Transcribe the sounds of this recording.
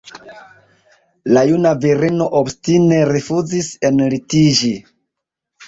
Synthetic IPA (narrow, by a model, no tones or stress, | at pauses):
lajunaviɾino̞ʔobstine̞ɾifuzise̞nlitid͡ʒi